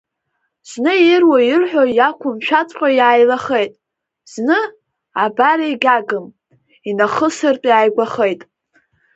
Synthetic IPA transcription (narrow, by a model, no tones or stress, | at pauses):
z̥nɨjɪrwajɪrħʷᶣojakʷʰʊmʃᶣat͡sʷʼqʲʷʼajaːjlaχejtʼ | z̥nɨ | abaɾaiɡʲaɡɨm | inaχəsɨrtʼjaːjɡʷaχejtʼ